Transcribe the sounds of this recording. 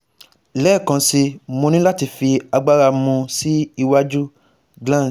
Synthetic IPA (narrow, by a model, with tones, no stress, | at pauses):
lɛː˦˨kã˧si˧mo˧nĩ˦la˦ti˧fi˧a˧ɡ͡ba˦ɾa˧mũ˧si˦i˧wa˦d͡ʒu˦ | ɡlã˦˨